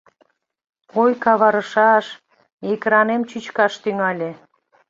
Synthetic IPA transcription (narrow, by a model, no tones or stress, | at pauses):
ojkɑβɑɾəʃɑʃ | ekɾɑnemt͡ɕyt͡ɕkɑʃt̪yŋɑlʲe